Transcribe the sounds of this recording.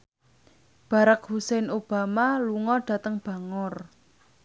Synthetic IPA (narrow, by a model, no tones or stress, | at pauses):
b̥a̤ɾak̚husɛnob̥a̤maluŋɔɖ̥ä̤t̪əŋb̥a̤ŋɔr